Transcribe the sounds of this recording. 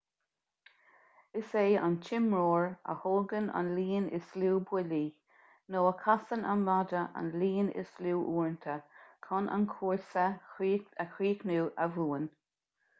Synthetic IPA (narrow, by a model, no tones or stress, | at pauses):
ɪseːant͡ʃʰɪmɹoːɹə̰hoːɡəna̰nliːnɪ̰sluːbwɪliː | noːəkʰasəna̰nmadəʔa̰nliːnɪ̰sluːʔuːɹntʰəkʰɔnʔa̰nkʰuːɹsəiːəkɹiːknuːʔəvuːən